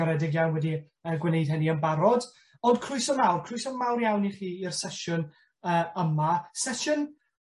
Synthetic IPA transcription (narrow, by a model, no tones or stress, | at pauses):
ɔɾɛdɪɡjanwɛdi | əːɡwɪnejd̥hɛniənbaɾɔd | ɔnd̥kʰrʊɨsɔmawrkʰr̥ʊɨsɔmawrjawniχiːirsɛʃʊn | əːəmasɛʃʊn